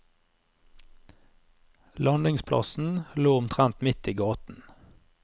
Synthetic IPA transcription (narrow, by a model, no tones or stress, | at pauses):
lɑnd̪ɪŋspʰlʔɑ̰sn̩luːʊmt̪ʰʁɛnt̪mɪt̪iːɡɑːt̪n̩